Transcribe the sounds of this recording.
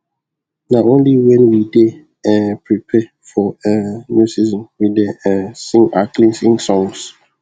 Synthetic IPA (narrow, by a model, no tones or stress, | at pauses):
naõnliwɛ̃nwide | ɛpʰɹipʰɛ | fɔənjusizɔ̃nwideɛ̃sĩŋaklĩŋsĩŋsɔ̃ŋs